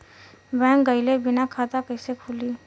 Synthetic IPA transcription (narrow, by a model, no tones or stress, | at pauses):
bɛ̃ːkɡəɪlebɪnakʰaːt̪akəɪsekʰuliː